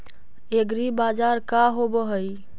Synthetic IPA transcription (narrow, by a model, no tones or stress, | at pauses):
eɡɾibad͡ʒaɾkaɦobəɦəj